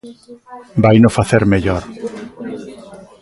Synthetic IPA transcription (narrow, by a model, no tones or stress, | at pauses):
bajnofaθeɾmeʎoɾ